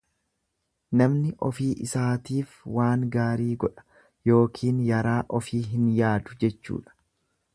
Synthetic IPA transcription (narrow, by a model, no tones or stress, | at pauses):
nɐmnɪʔɔfiːʔɪsaːt̪iːfwaːŋɡaːɾiːɡɔᶑɐ̥ | jo̞ːkʰiːnjɐɾaːʔɔfiːɦɪnjaːd̪ʊd͡ʒɛt͡ʃːṵːᶑɐ̥